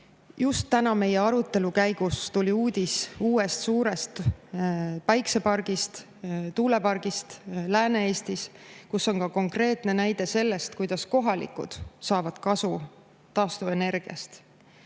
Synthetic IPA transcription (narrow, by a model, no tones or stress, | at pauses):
just̪ːænɑme̞je̞ɑɾut̪ːˑe̞lukæjɡ̥ust̪ulʲiuːd̪̥ʲisuːe̞st̪suːɾe̞st̪ | pɑjkse̞pɑrɡ̥ist̪ | t̪uːle̞pɑrɡ̥ist̪læːne̞eːst̪iskusːo̞nkɑko̞ŋkre̞ːt̪ˑne̞næjd̪̥e̞se̞lːe̞st̪kujd̪̥ɑsko̞ɦɑlḭkːˑṵd̪̥sɑːvɑd̪̥kɑsu | t̪ːɑːst̪ue̞ne̞rɡ̥iɑ̰st̪